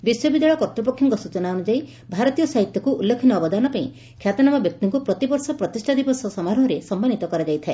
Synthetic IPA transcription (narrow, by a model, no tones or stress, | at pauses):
biswɔbid̪jaɭɔkɔt̪ɾɔpɔkʰjɔŋkɔsut͡ʃɔnauñud͡ʒai | bʱaɾɔt̪ijɔsaɦit̪jɔkuulːekʰinɔːbɔd̪anɔpaĩ | kʰjat̪ɔnamɔbjɔk̚t̪iŋkupɾɔt̪ibɔɾsɔpɾɔt̪isʈʰad̪ibɔsɔsɔmaɾɔɦɔɾesɔmbanit̪ɔkɔɾad͡ʒajt̪ʰae